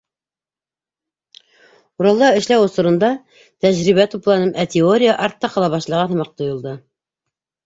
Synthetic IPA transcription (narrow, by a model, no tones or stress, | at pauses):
uɾɑlˠːɑɘ̆ʃlæwŏsŭɾɤ̆nd̪ɑ | t̪æʑɾiβæt̪uplˠɑnɤmʔæt̪ʲeoɾʲɪjəʔɑɾt̪ːɑqɑlˠɑβɑʃlˠɑʁɑnɤ̆mɑq̚t̪ŏjŏlˠd̪ɤ